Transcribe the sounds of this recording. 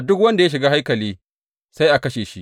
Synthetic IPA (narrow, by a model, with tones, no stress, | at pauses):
dʊ˦kwɐ˦nda˨ja˦ʃ̬ɪ˨ɡaː˦ɦa˦jkɐ˨liː˦ | sa˦jʔa˨kɐ˦ʃeː˨ʃi˦ʔ